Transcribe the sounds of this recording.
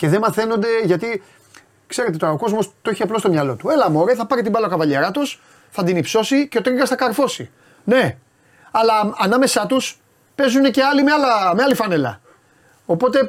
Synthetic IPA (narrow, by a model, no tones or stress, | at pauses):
ce̞ðemɐθe̞no̞nd̪e̞ʝɐt̪i | kse̞ɾeeoɾɐoko̞zmo̞st̪oeçiɐplost̪omɲɐlo̞t̪ue̞lɐmo̞ɾeθɐpɐɾit̪ibɐlɐokɐvɐʎe̞ɾɐt̪us | θɐd̪inipso̞sice̞ot̪ɾiɣɐsθɐkɐɾfo̞si | ne̞ | ɐlɐːnɐme̞sɐt̪us | pe̞zune̞ce̞ɐlimeɐlɐmeɐlifɐne̞lɐ̰ | o̞po̞t̪e̞